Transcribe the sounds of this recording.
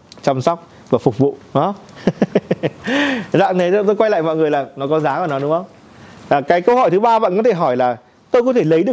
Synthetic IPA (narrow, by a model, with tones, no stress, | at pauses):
t͡ɕa˧msɔ˦˥wk͡p̚ | vaː˨˩fʊ˨˩k͡p̚vṵ˧˨ɗɔ˨˦ | za̰ː˧˨ŋne˨˦jt̪o˧jkwa˧jla̰ː˧˨jmɔ̰˧˨jŋɨ˨˩əjlaː˨˩nɔ˨˦kɔ˨˦nzaː˨˦ka˧˩nɔ˨˦ɗʊ˨˦ŋ͡mxə˧wŋ͡m | aː˨˩kaː˨˦jkə˧whɔ˧˩jt̪ʰɨ˨˦ɓaː˧ɓa̰ː˧˨nkɔ˨˦t̪ʰe˧˩ɦɔ˧˩jlaː˨˩ | t̪o˧jkɔ˨˦t̪ʰe˧˩lə˨˦jɗɨ˨˩ə